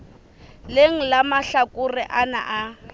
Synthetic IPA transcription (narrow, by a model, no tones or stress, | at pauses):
leŋ̩lamaɬakʊrɪʔana̰ʔa